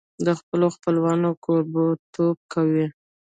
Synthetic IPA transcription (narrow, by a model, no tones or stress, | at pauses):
d̪əxpəloxpəlwɑnokoɾbot̪ob̚kʰawi